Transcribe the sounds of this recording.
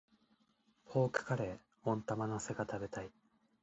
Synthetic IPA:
pʰo̞ːkɯ̟̥kaɾe̞ | õ̞nt̪amanase̞ɡat̪abe̞t̪ai

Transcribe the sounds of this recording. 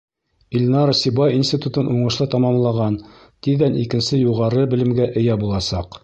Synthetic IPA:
ilʲnɑɾsibɑjinsʲt̪ʲit̪ut̪ɤnʔuɴɤ̆ʃlˠɤt̪ɑmɑmlˠɑʁɑn | t̪iðːænikɘ̆nsɘjuʁɑɾɤbɘ̆lɘ̆mɡæʔɘ̆jæbulˠɑsɑq

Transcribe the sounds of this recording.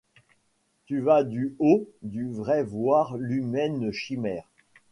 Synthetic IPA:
t̪yvad̪yod̪yvʁɛvwaʁlymɛnʃimɛːʁ

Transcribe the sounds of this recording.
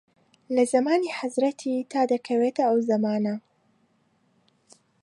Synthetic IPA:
lɐzɐmaːniːħazɾɐt̪ʰiːt̪ʰaːd̪ɐkʰɐweːt̪ɐɐwzɐmaːnɐ

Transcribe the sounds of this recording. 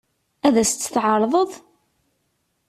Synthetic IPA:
æðæst͡s̪ːθʕəɾˤðˤəðˤ

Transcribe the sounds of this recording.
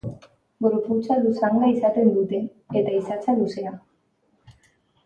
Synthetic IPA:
ɡɾuput͡salusaŋɡaisat̪e̞nd̪ut̪e̞ː | t̪aisat͡saluse̞a

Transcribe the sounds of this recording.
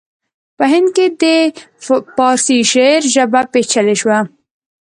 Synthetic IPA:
pəɦɪnd̪̚ked̪ə | pɑɾsiʃeɾʒəbapet͡ʃʰəleʃwa

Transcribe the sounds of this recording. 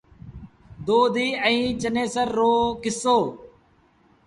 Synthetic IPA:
d̪oːd̪iːəĩːt͡ʃəneːsəɾːoːkɪsoː

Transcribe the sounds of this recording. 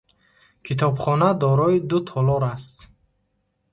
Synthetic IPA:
kʰit̪ʰɔbχɔnad̪ɔɾɔid̪ut̪ʰɔlɔɾast̪

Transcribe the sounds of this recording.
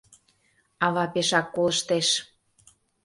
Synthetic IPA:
ɑβɑpeʃɑkːoləʃt̪eʃ

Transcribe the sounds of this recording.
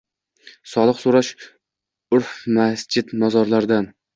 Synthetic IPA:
sɒlˠɨqsoɾaʃ | ʊɾfmasd͡ʒɪd̪nɒzɒɾlaɾd̪an

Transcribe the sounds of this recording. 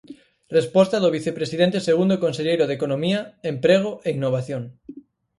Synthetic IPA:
respost̪aðoβiθepɾesið̞ent̪eseɣ̞und̪okonseʎejɾoðekonõmiaempɾeɣ̞oʔeinːoβ̞aθjoŋ

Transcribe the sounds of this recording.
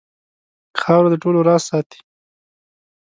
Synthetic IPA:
xɑwɾad̪əʈoloɾɑsɑt̪i̥

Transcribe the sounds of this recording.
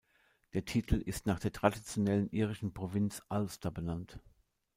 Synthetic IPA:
d̥eːɐtʰiːtʰl̩ɪstnaːχd̥eːɐtʁ̥adit͡sjonɛlənʔiːʁ̞ɪʃn̩pʁ̥ovɪnt͡sʔalstʰɐbənant

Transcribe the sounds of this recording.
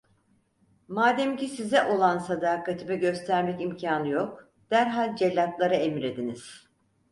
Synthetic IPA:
maːd̪æmcisizɛʔo̞lˠansad̪aːkat̪ʰibɛɟø̞st̪ʰæɾmɛcimcʰaːnɯjo̞k̚ | d̪̥æɾɦalʲd͡ʒelʲːat̪lˠaɾaemiɾed̪iniz̥

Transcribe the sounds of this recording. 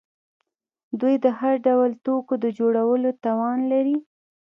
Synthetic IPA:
d̪ujd̪əhaɾɖawəlt̪okod̪əd͡ʒoɽawəlot̪ɑwɑnlaɾi

